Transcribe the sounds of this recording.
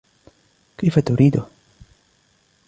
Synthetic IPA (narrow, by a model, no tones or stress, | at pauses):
kifat̪uɾid̪o